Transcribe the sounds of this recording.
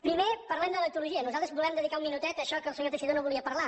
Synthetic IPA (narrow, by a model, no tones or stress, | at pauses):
pɾimepəɾlɛmd̪ələt̪uluʒiənuzalˠt̪əzβulɛmd̪əðikauminut̪ɛt̪əʃɔkəlˠsəɲot̪əʃiðonoβulˠiəpəɾla